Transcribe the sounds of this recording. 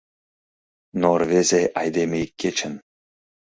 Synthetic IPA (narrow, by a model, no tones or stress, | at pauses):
norvʲezeʔɑjd̪emʲejkʲːet͡ɕʰɘ̆n